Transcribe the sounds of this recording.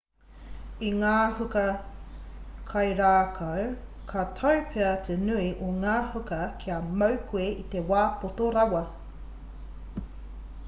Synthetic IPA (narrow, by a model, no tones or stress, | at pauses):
iŋaːhukɐ | kʰɐjɾaːkʰɐwkʰatʰɐwpʰeɐt̪ʰenuiʔoŋaːhukɐkʰiɐmɐwkʰueʔit̪ewaːpotoɾɐwɐ